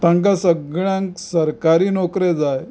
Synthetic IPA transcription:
t̪ãŋkasəɡɭjãŋksəɾkaɾiːnɔkɾed͡zaj

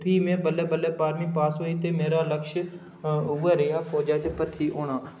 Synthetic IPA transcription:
pʰiːmẽːbəlɛːbəleːpaːɾmiːpaːsoːiːt̪eːmeːɾaːləkʃ | uɛːɾɪjaːfʰoːd͡ʒaːt̪epət̪ʰiːʔoːnãː

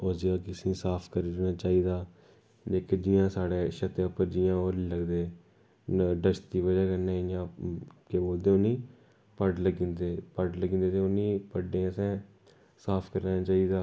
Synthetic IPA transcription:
oːd͡ʒeãːkɪsĩːsaːpʰkəɾiɾnaːt͡ʃaːiːd̪aː | d͡ʒeːked͡ʒɪjãːsaːɽeːʃət̪eəpːəɾd͡ʒɪjãːoːɾləɡd̪eː | ɖəʃd̪iːʋəd͡ʒaːkənẽːjãːkeboːld̪eːonĩː | pəɖləɡĩːnd̪eːpəɖləɡĩːnd̪eːt̪eːonĩːpəɖẽːəsɛ̃ː | saːpʰkəɾnãːt͡ʃaːiːd̪aː

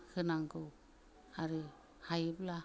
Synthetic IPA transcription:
kʰɯnaŋɡɯw | aɾɯ | hajɯbla

